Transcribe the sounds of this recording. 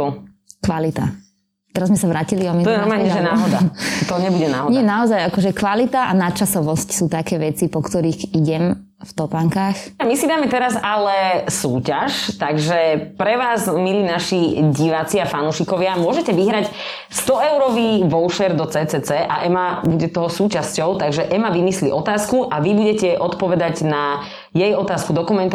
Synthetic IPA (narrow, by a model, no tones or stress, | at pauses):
kʋalit̪a̰ | t̪ɛɾazmɛsaʋɾaːciliɔmit̪ɔjɛnɔɾmalɲɛʒɛnaːɦɔd̪at̪ɔɲɛbuɟɛnaːɦɔdɲɪɛnaɔzajakɔʒɛkʋalit̪aʔanat͡ʃasɔʋɔscsuːt̪akɛːʋɛt͡sipɔkt̪ɔɾiːɣiɟɛm | ft̪ɔpaŋkaːx | amisid̪aːmɛt̪ɛɾazalɛsuːcaʃt̪aɡʒɛpɾɛʋaːzmilinaʃiɟiʋat͡siafanuʃikɔʋɪamʊɔʒɛcɛʋiɦɾac | st̪ɔɛʊɾɔʋiʋɔlʃɛɾd̪ɔt͡sɛːt͡sɛːt͡sɛːʔa̰ʔɛmabuɟɛt̪ɔɦɔsuːcascɔʊt̪aɡʒɛʔɛmaʋimislḭʔɔt̪aːskuʔaʋibuɟɛcɛʔɔt̪pɔʋɛd̪aɟna | jɛjɔt̪aːskud̪ɔkumɛnt̪